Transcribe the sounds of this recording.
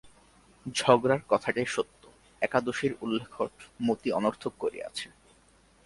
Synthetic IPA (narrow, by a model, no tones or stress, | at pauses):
d͡ʑʱɔɡɾaɾkɔt̪ʰaʈajʃot̪ːo | ɛkad̪oʃiɾulːekʰoʈmot̪iɔnoɾt̪ʰok̚koɾḭa̰t͡ɕʰe